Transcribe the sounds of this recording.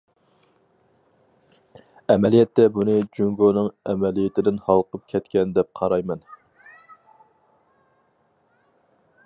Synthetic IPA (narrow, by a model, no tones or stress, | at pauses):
ɛmɛlijɛt̪ːɛbunɨd͡ʒyŋɡonɨŋɛmɛlijɪt̪ʰɪd̪ɪnhɑlˠqʰəp̚kʲʰɛt̪kʲɛnd̪ɛp̚qʰɑɾɑjmɛn